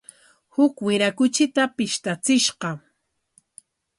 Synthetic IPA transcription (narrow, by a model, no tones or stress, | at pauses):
hʊkwɪɾakʊt͡ʃɪt̪apɪʃt̪at͡sɪʃɢɑ